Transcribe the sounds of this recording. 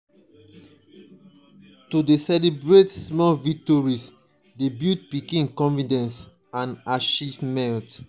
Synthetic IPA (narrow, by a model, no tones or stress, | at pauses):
tudesɛlibɹetsmɔvik̚tɔɹis | debit̚pikĩnkɔ̃nfidɛ̃ns | ãnaʃivmɛ̃t